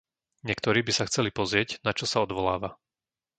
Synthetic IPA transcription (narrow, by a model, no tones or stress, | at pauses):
ɲɪɛkt̪ɔɾiːbisaxt͡sɛlipɔzɾɪɛɟnat͡ʃɔsaɔd̪ʋɔlaːʋa